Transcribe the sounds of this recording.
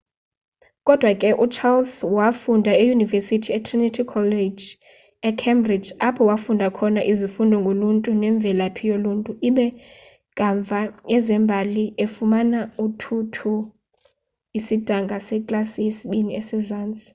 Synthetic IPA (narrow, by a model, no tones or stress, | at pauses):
kʼɔd̥ʱwakʼɛʔut͡ʃʰalswafundʱaejunivɛsitʰiɛtʰrinitʰikʰɔlɛd͡ʒ | ɛkʰɛmbrid͡ʒapʰɔwafundʱakʰɔnaʔizifundʱɔŋɡʱoluntʼunɛɱb̪vʱɛlapʰijoluːntʼuiɓɛ | kʼaɱvʱajɛzɛmbʱaliefumanautʰutʰu | isid̥ʱaŋɡʱasɛkʼlasijesiɓiniɛsɛzaːnt͡sʼi̥